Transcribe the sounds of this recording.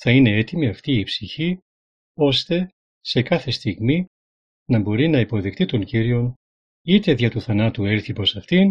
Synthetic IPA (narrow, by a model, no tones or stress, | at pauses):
θɐine̞e̞t̪imiɐft̪iːpsiçi | o̞st̪e̞ | se̞kɐθe̞st̪iɣmi | nɐbo̞ɾinɐipo̞ðikt̪it̪o̞ɲciɾio̞n | it̪e̞ðʝɐt̪uθɐnɐt̪ue̞ɾθipo̞sɐft̪in